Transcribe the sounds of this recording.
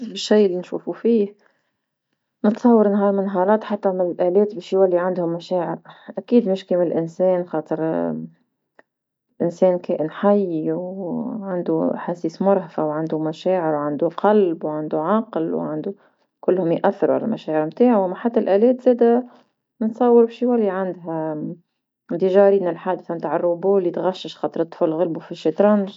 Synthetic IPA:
bɪʃːijʔɪlːinʃuːfufiːh | nət̪sˤɑwːəɾnɦɑːɾˤmɪnːɦɑːɾˤɑːt̪ħat̪ːæmɪnɪlʔæːlɛːt̪bɛːʃjwælːiʕand̪hʊmːæʃæːʕɪɾʔækiːd̪mɪʃkiːmlʔɪnsɛːnxɑːt̪ˤəɾ | lʔɪnsɛːnkæːʔɪnħajːiwʕand̪uħasiːsmʊɾˤhafawʕand̪umæʃeːʕɪɾwʕand̪uqʰɑlbwʕand̪uʕɑqlwʕand̪u | kʊlːhʊmjʔaθːɪɾuʕala̰lmʔaʃeːʕɪɾmt̪aːʕawamaħat̪ːalʔeːleːt̪zeːd̪a | nnsˤɑwːɪɾbʃiːwalːiʕand̪ɦa | d̪iʒɑːɾiːnɪlħaːd̪ɪθamt̪aːʕɑrˤːubuːlːit̪ɣaʃːɪʃxɑːt̪ˤɨɾɨt̪ˤːfʊllɣalbufiʃit̪ɾˤɑnʒ

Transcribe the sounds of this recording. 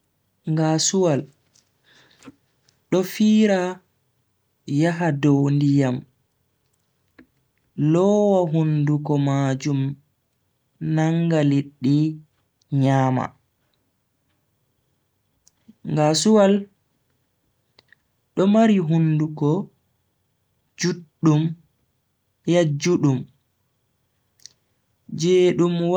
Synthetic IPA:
ŋɡasuwal | ɗɔfiːɾa | jaɦadɔwndijam | lɔwaɦundukɔmad͡ʒum | naŋɡaliɗːi | ɲaːma̰ | ŋɡasuwal | ɗɔmaɾiɦundukɔ | d͡ʒuɗːum | jad͡ʒːuɗum | d͡ʒeːɗumw

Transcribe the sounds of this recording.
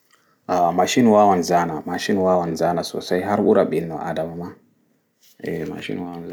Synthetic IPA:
ʔamaʃinwawanzanamaʃinwawanzanaso̰sajɦaɾɓuɾaɓinːɔʔa̰damama | ɛma̰ʃḭnwawn

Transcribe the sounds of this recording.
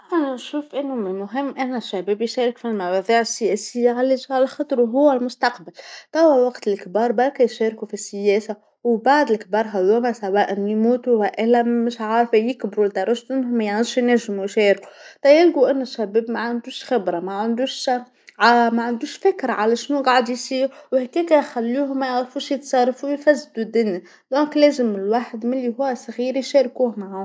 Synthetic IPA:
ʔɪħænænʃuːfʔɪnːʊmɪnmʊɦɪmːʔænːæʃːæbɛːbjʃæːɾɪkfilmawɑðˤiːʕɪsːɪjɛːsɪjːaɣalːid͡ʒʕalæxɑt̪ˤɾwɦʊwːælmʊst̪ɑqbalt̪ˤɑwːæwɑqt̪ɪlkbɑːɾˤbɑɾˤkajʃæːɾkufisːɪjæːsa | wbaʕd̪ɪlkbɑːɾˤɦæðumæsæwæːʔɪnːimuːt̪uwæʔɪlːæmɪʃʕɑːɾˤfajɪkbɾuld̪ɑɾˤɑʃt̪ʔɪnːhʊmæjaʕniːʃjnæʒːɪmujʃɛːɾku̥t̪ɑjɪlɡuʔɪnːʊʃæbeːbmaʕand̪uːʃxɪbɾamaʕand̪uːʃ | ʕamaʕand̪uːʃfɪkɾaʕalæʃnuːɡɑːʕd̪jsiːɾwhækeːkæjxælːuːɦʊmæjʕɾfuːʃjɪt̪sˤɑrˤːɑfujfæzːd̪ud̪ɪni | d̪̥ɔ̃ːkleːzɪmɪlwaːħəd̪mɪlːiɦʊwæsˤɣiːɾjʃeːɾkuːhmaʕʊ

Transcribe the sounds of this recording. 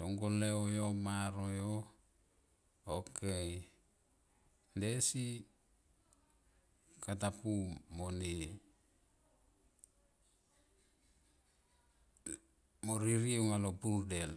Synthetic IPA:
soŋɡoleojomaɾojo | okej | ndesi | katapumoni | moɾiɾiuŋaloburdel

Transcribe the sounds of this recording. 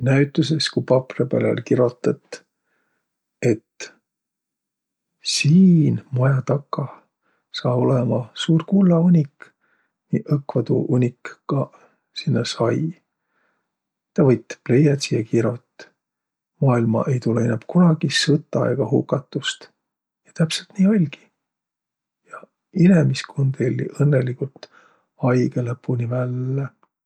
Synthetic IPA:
næɥt̪ˑːus̬eskujpɑprepælḛlkiɾo̞t̪ːˑɑt̪ | e̞t̪ | siːnmojɑt̪ɑkːɑ | sɑːo̞lemɑsuːrkulːɑunʲik | nḭʔɤkːvɑd̪ṵʔunʲikːɑ | sinːɑsɑj | t̪ɑvɤjt̪ːple̞jɑt̪siekiɾot̪ː | mɑːilmɑ̰ʔe̞jt̪ulːeinːepkunɑɡ̥isɤt̪ːˑɑɑ̰ɡ̥ɑhṵkːˑɑt̪ːˑust̪ | jɑt̪æpselt̪niːɑlʲɡ̥i̥ | jɑ | inemiskʰond̪̥elʲːḭʔɤnːelikult̪ | ɑjɡelepːunivælːe

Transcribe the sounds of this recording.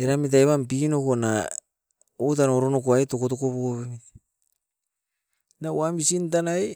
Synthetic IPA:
eɾamit̬ajβampinokona | ot̬anoɾonokoaetokotokopokoβemit | nawamisint̬anae

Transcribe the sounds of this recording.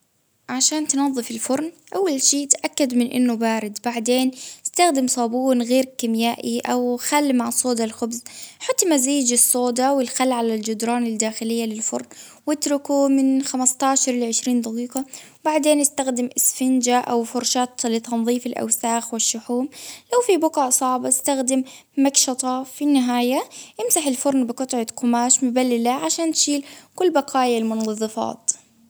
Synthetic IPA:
ʕaʃaːnt̪nɑðˤːɨfɪlfʊɾˤn | ʔawːalʃiːt̪ʔakːad̪mɪnʔɪ̰nːʊbaːɾɪd̪baʕd̪eːnɪst̪axd̪ɪmsˤɑːbuːnɣeːɾkɪmjaːʔiʔawxalːmaʕsˤoːd̪ɑlxʊbzħat̪ˤːmaziːd͡ʒɪsˤːoːd̪ɑwɪlxalːʕalald͡ʒʊd̪ɾˤɑːnɪld̪aːxɪlɪjːalɪlfʊ̰ɾˤnwɪt̪ɾʊkumɪnxamast̪aːʃɑɾˤlʕɪʃɾiːnd̪ɑqiːqɑ | baʕd̪eːnʔɪst̪axd̪ɪmʔɪsfɪnd͡ʒaʔawfʊɾˤʃaːt̪lɪt̪ɑnðˤiːfɪlʔa̰wsaːxwɪʃːʊħuːmlawfibʊqɑʕʔsˤɑʕbaɪ̥st̪axd̪ɪmː | akʃɑt̪ˤɑfinːɪɦaːjaʔɪmsaħɪlfʊɾˤnbɪqʊt̪ˤʕɑqʊmaːʃmɪbalːɪlaʕaʃaːnt̪ʃiːlkʊlːbɑqʰɑːjalmʊnɑðˤːɨfɑ̰ːt̪

